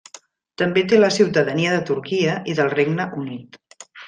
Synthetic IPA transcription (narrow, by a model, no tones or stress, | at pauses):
t̪əmbet̪eləsiwt̪əðəniəðət̪uɾkiəʔiðəlˠreɡnəʔunit̪